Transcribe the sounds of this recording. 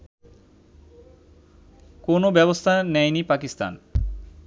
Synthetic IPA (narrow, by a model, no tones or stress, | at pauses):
konobɛβost̪ʰanɛjnipakist̪a̰n